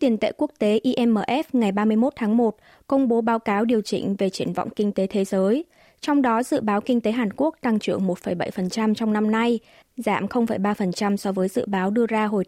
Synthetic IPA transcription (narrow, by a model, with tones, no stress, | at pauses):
t̪i˨˩ənt̪ḛ˧˨ku˦˥ək̚t̪e˨˦ʔi˧ʔɛ˧mʔəː˧˩ʔɛ˦˥f̚ŋa˨˩jɓaː˧mɨ˧əjmo˦˥t̚t̪ʰaː˨˦ŋmo˨˩t̚ | kə˧wŋ͡mɓo˨˦ɓaː˨˦wkaː˨˦wɗi˨˩əwt͡ɕḭ̈˧˩ŋ̟ve˨˩t͡ɕi˧˩ənv̰wŋ͡mkï˧ŋ̟t̪e˨˦t̪ʰe˨˦zəː˨˦j | t͡ɕɔ˧wŋ͡mɗɔ˨˦zɨ̰˧˨ɓaː˨˦wki˧ŋ̟t̪e˨˦ɦaː˨˩nku˦˥ək̚t̪a˧ŋt͡ɕɨ˧˩əŋmo˨˩t̚fə˧˩jɓa̰˧˩jfə˨˩nt͡ɕa˧mt͡ɕɔ˧wŋ͡mna˧mna˧j | za̰ː˧˩˨mxə˧wŋ͡mfə˧˩jɓaː˧fə˨˩nt͡ɕa˧msɔ˨˦vəː˨˦jzɨ̰˧˨ɓaː˨˦wɗɨ˧əzaː˧ɦo˨˩j